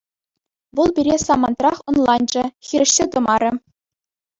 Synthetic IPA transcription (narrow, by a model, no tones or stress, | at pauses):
ʋɤ̆lˠbʲiɾʲesɑmɑnt̪rɑχŏnlˠɑnd͡ʑɘ̆xʲiɾʲɘ̆ʂsʲet̪ɤ̆mɑɾʲɘ̆